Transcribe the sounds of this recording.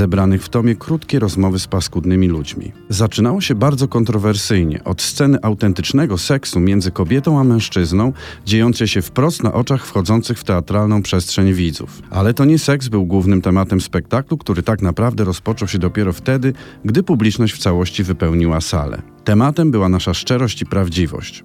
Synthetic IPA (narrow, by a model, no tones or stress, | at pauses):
ɛbɾanɘxft̪ɔmʲjɛkɾut̪kʲejɾɔzmɔvɘspaskud̪nɘmʲilud͡ʑmʲḭ | zat͡ʂɘnawɔɕɛbaɾd̪zɔkɔnt̪ɾɔvɛɾsɘjɲɛ̰ʔɔt̪st̪sɛnɘʔawt̪ɛnt̪ɘt͡ʂnɛɡɔsɛksumʲjɛnd̪zɘkɔbʲjɛt̪ɔ̃w̃amɛ̃w̃ʂt͡ʂɘznɔ̃w̃ | d͡ʑejɔnt̪sɛjɕɛfpɾɔst̪na̰ʔɔt͡ʂaxfxɔd̪zɔnt̪sɘxft̪ɛat̪ɾalnɔ̃w̃pʂɛstʂɛɲvʲid̪zṵfʔa̰lɛt̪ɔɲɛsɛkzbɘwɡwuvnɘmt̪ɛmat̪ɛmspɛk̚t̪aklukt̪uɾɘt̪akn̪apɾavd̪ɛɾɔspɔt͡ʂɔwɕɛd̪ɔpʲjɛɾɔft̪ɛd̪ɘ | ɡd̪ɘpublʲit͡ʂnɔɕt͡ɕft̪sawɔɕt͡ɕivɘpɛwɲiwasa̰lɛ̰ | t̪ɛmat̪ɛmbɘwanaʂaʂt͡ʂɛɾɔɕt͡ɕipɾavd͡ʑivɔ̰ɕt͡ɕ